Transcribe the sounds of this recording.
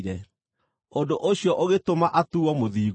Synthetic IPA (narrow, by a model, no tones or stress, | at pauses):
ɾɛ | ondoʔoɕiɔʔoɣetomaʔatuɔmoðiː